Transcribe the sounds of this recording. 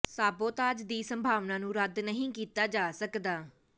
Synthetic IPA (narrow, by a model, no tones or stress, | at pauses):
saːboːt̪aːd͡ʒd̪iːsəmbʱaːʋnãːnũːɾəd̪nəɦĩːkiːt̪aːd͡ʒaːsəkd̪aː